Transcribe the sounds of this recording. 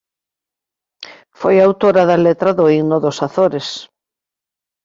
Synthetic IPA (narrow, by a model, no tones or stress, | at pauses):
fojaːwt̪oɾaðɐlet̪ɾɐðoiɣnʊðosaθoɾes